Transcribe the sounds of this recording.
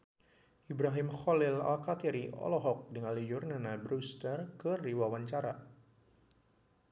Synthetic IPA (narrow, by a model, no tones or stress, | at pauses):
ʔibɾaɦimxɔlɪla̰lkat̪iɾiʔɔ̰lɔɦɔk̚dəŋalid͡ʒʊrnanabɾust̪ərkəriwawaɲt͡ʃaɾa